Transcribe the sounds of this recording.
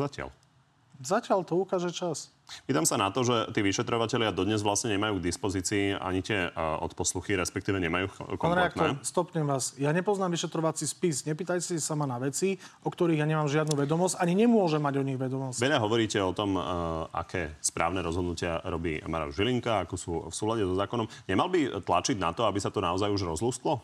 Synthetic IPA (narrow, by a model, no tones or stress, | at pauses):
zacɪa̰l | zacɪaʎt̪ɔukaːʒɛt͡ʃas | piːt̪amsanat̪ɔʒɛt̪iːʋiʃɛt̪ɾɔʋacɛʎɪad̪ɔd̪ɲɛzʋlasɲɛɲɛmajuːɡ̚d̪ispɔziːt͡siːa̰ɲit̪ɪɛɔ̰t̪pɔsluxiɾɛspɛkt̪iːʋɛɲɛmajuːkanɾɛd̪aktnɔɾɛst̪ɔpɲɛmʋaːsjaɲɛpɔznaːmʋiʃɛt̪ɾɔʋat͡sispisɲɛpiːt̪ajsisamanaʋɛt͡siʔɔkt̪ɔɾiːɣjaɲɛmaːmʒɪad̪nuʋɛd̪ɔmɔzaɲiɲɛmʊɔʒɛmːaɟɔɲiɣʋɛd̪ɔmɔsʋɛʎaɦɔʋɔɾiːcɛɔt̪ɔma̰kʰɛːspɾa̰ːʊnɛɾɔzɦɔd̪nucɪaɾɔbḭːmaɾa̰ɡʒiliŋkaakɔsuːfsuːlaɟɛzɔzaːkɔnɔmɲɛmalbit̪la̰t͡ʃiɟna̰t̪ɔabisat̪ɔnaɔzajuʒɾɔzluːsk̪lɔ